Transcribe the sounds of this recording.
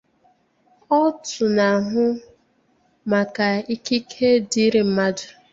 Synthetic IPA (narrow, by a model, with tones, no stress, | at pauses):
ɔ˦tʊ˨na˨ɦʊ˦ | ma˨ka˨i˦ki˦kʰe˦di˨˦ɾe˨m̩˦ma˦dʊ˨